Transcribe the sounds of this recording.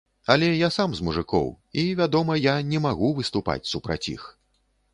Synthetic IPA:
ɐlʲɛjasamzmuʐɨkɔ̰w | ivʲad̪ɔmɐjanʲɛmaɣuvɨst̪upa̰t͡sʲsupɾa̰t͡sʲḭx

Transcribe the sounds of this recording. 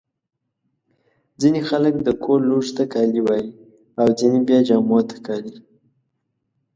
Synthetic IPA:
d͡zinexaləkd̪əkʰoluʐt̪akɑliwɑji | awd͡zinebjɑd͡ʒɑmwt̪kɑli

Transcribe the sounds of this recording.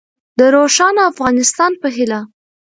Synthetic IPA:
d̪əɾoʃɑnafɣɑnɪst̪ɑnpəɦɪla

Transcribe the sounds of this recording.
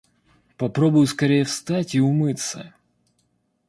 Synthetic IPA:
pɐpɾo̞bʊjʊskɐɾʲejəfst̪atʲiʊmɨt̪sə̰

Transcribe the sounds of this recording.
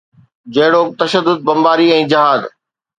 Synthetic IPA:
d͡ʑɐɦɪɽot̪ɐʃəd̪ːʊd̪̚bɐ̃mbaːɾiɛ̃ːd͡ʑɪɦaːd̪

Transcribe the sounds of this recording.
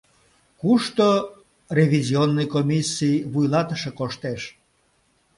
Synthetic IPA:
kuʃt̪o | rʲevʲizʲionːɨjkomʲisʲːijβujlɑt̪əʃekoʃt̪eʃ

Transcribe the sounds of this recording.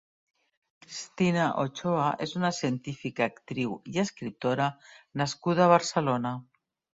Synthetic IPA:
kɾist̪inaʔot͡ʃoaʔezunasjent̪ifikaːkt̪ɾiwieskɾit̪oɾanaskuð̞aːβaɾselona

